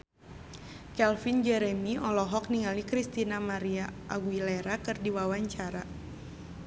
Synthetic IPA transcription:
kɛlfind͡ʒɛɾɛmiʔɔlɔɦɔk̚niŋalikɾist̪inamaɾiaʔaɡwileɾakɨrdiwawaɲt͡ʃaɾa

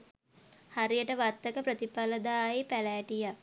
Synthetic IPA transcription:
haɾijəʈəʋat̪ːəkəprət̪ipaləd̪aːjepælɛːʈija

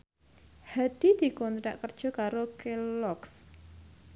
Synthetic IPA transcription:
had̪̥id̪̥i̤kɔnt̪ɾaʔkərd̥ʒ̥ɔ̤kaɾokelɔks

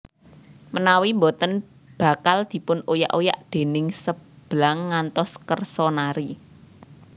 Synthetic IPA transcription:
mənawimbɔt̪ən | b̥ä̤kald̪̥i̤pʊnoja̰ʔoja̰ʔd̪̥e̤nɪŋsəb̥laŋːant̪ɔskərsɔnaɾi

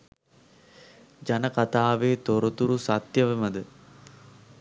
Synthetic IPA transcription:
d͡ʒanəkat̪aːʋeːt̪oɾət̪uɾusat̪jəʋəməd̪ə

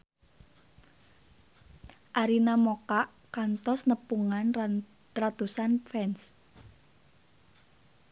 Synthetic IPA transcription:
ʔaɾinamokaʔ | kant̪ɔsnəpuŋanra | rat̪usanfɛns

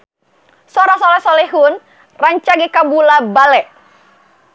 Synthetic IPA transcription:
sɔɾasɔlɛsɔlɛɦun | raɲt͡ʃaɡikabulabalɛʔ

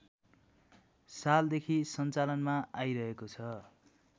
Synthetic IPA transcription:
sald̪ekʰisʌnt͡salʌnmaajɾʌɦekot͡sʰʌ

